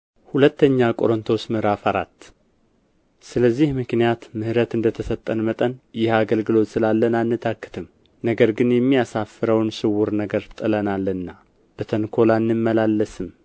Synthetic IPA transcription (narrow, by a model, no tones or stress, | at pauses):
hulət̪ːəɲːakʼo̞ɾont̪ʰosmɨhɾafaɾat̪ː | sɨləzːihmɨknijat̪mɨhɾət̪ɨnd̪ət̪ʰəsət̪ʼːənmət̪ʼənjɪhaɡəlɡɨlo̞t̪sɨlalːənanːɨt̪ʰakːɨ̥t̪ʰɨm | nəɡəɾɡɨnjɛmːijasafːɨɾəwnsɨwːʊɾnəɡəɾt̪ʼɨlənalːɨnːa | b̥ət̪ʰənkʰo̞lanːɨmːəlalːəsɨm